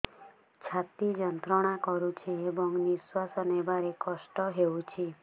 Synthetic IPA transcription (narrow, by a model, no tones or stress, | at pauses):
t͡ʃʰat̪id͡ʒɔnt̪ɾɔɽ̃akɔɾut͡ʃʰiebɔŋniswasɔnebaɾekɔsʈɔɦeut͡ʃʰi